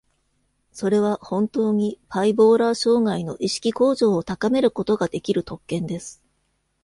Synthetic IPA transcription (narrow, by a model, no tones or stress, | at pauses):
so̞ɾe̞β̞ahõ̞nt̪o̞ːɲ̟ipaibo̞ːɾaːɕo̞ːŋaino̞ʔiɕi̥kʲiko̞ːʑo̞ːt̪akame̞ɾɯ̟ko̞t̪o̞ɡad̪e̞kʲiɾɯ̟t̪o̞kːẽ̞nd̪e̞sɨ̥